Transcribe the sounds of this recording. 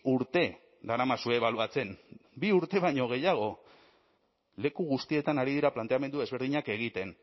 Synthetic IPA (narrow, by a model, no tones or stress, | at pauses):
uɾt̪e̞ | d̪aɾamasue̞βaluat͡se̞mbiuɾt̪e̞βaɲo̞ɣ̞e̞jaɣ̞o̞ | le̞kuɣ̞ust̪ie̞t̪anaɾið̞iɾaplant̪e̞ame̞nd̪ue̞zβ̞e̞ɾð̞iɲake̞ɣ̞it̪e̞n